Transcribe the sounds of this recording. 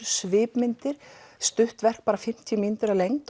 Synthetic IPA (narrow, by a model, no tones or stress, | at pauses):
svɪːpmɪnt̪ɪɾ̥st̪ʏht̪vɛr̥k̚paːɾafɪm̥t̪ʰimint̪ʏɾalejŋt̪